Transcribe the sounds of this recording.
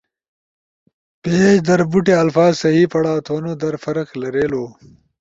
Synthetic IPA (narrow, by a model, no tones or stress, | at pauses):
peːd͡ʑd̪ɐɾbuʈeɐlfaːzsɐɦiːpɐɽaːt̪ʰoːnod̪ɐɾfɐɾɐklɐɾeːloː